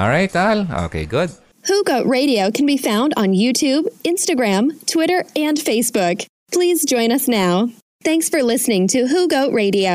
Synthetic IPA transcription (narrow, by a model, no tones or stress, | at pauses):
ɔlɹaɪtalo̰ʊkḛɪɡʊd̚ | huɡoʊʔ̚ɹeɪɾioʊkʰn̩bifãʊ̃ndn̩jʉtʰʉbɪ̃nstɨɡɹæ̃mtʰw̥ɪɾə˞ɨ̃nfeɪsb̥ʊk | pʰl̥izd͡ʒɔ̃ɪ̃ñʌsnaʊ | θæ̃ŋksfə˞lɪsnɪ̃ŋtʰɨɦuɡoʊʔɹeɪɾioʊ